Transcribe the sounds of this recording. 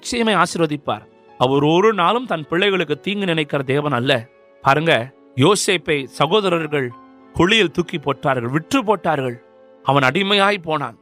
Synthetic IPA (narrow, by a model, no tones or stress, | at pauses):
ɪt͡ʃːɐjɐmɐɪaːsɪɾoːðɪpːa̰ːɾ | ɐʋɐɾɔɾɯnaːlɯmt̪ɐnpɪɭːɐɪɣɐɭɯkːɯt̪ːiːŋɡɯnɪnɐɪkːɪɾɐd̪eːʋɐnɐlːɐ | paːɾɯŋɡɐ | joːseːpɐɪsɐɣoːðɐɾɐɾɣɐɭ | kʊɭɪjɪlt̪ʊkːipːoːʈraːɾɣɐɭʋɪʈrɯp̬ːoːʈːaːɾɣɐɭ | ɐʋɐnɐɽɪmɐjaːɣipoːna̰ːn